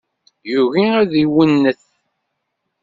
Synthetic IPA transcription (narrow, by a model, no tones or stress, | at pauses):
juɾiæðiwənːəθ